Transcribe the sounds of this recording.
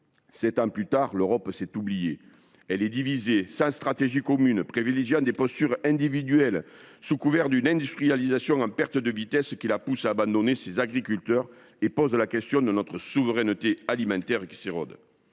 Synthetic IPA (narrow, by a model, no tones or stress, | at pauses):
sɛt̪ɑ̃plyt̪aʁløʁɔpsɛt̪ublije | ɛlɛd̪ivizesɑ̃st̪χat̪eʒikɔmynəpχevileʒjɑ̃d̪epɔst̪yʁɛ̃nd̪ivid̪yɛlsukuvɛʁd̪ynɛ̃nd̪yst̪χijalizasjɔ̃ɑ̃mpɛʁt̪əd̪əvit̪ɛskʲilapusaːbɑ̃nd̪ɔnesezaɡʁikylt̪œʁ | epɔzlakɛst̪jɔ̃d̪ənɔt̪χəsuvəʁɛnət̪ealimɑ̃nt̪ɛʁkʲi̥seʁɔ̰d̪